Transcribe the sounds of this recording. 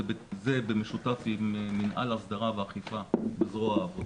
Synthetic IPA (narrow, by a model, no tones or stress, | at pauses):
bzebemeʃut̪afiminʔa̰lasd̪aʁaveaχifabezʁoaːvo